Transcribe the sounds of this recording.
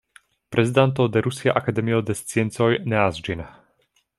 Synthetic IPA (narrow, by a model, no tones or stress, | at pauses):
pɾʔɛzid̪ant̪ɔʊd̪ɛɾusia̰ʔakad̪ɛmiɔd̪ɛst͡sɪɛnt͡sɔjnɛazd͡ʒina